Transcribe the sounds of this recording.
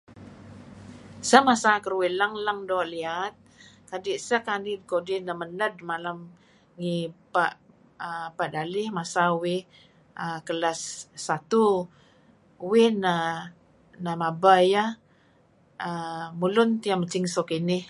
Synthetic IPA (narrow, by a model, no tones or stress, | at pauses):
səmasakəɾwɪlaŋlaŋdoʔliat̪̚ | kadiʔsəkanidkodɪnəmənədmalam | ŋipa̰ʔ | əpaʔdalɪhmasawɪh | əkəlasːat̪u | wɪnə | namabaja | əmulʊnt̪iamət͡ʃɪŋsokinɪh